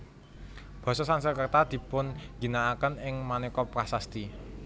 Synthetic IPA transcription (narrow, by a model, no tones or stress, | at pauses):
b̥ɔ̤sɔsansəkərt̪ad̪̥i̤pʊnɡ̥i̤naːkənɪŋmanekɔpkasast̪i